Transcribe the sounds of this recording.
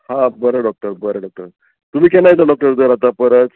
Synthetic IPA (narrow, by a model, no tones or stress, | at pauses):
hɦãbəɾəɖɔk̚ʈəɾbəɾeɖɔk̚ʈəɾ | t̪um̤iːkɛnajt̪aɖɔk̚ʈəɾd̪əɾat̪apəɾət͡s